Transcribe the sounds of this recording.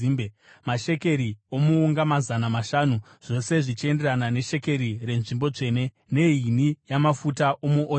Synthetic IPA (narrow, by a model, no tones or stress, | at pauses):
imbe | maʃe̞ke̞ɾio̞muːŋɡamazanamaʃaːnu | ʐ̥o̞se̞ʐit͡ʃie̞nde̞ɾanane̞ʃe̞ke̞ɾire̞nʐimbo̞d͡ʐe̞ːne̞ | ne̞inijamafutaʔo̞muʔo